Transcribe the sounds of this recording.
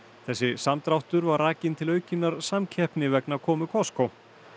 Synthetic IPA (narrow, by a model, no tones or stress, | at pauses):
θɛsːɪsamt̪ɾawht̪ʏɾvaɾraːcɪnt̪ʰɪlœːɥcɪnːaɾsamcʰɛhpnɪvɛknakʰɔːmʏkʰɔskow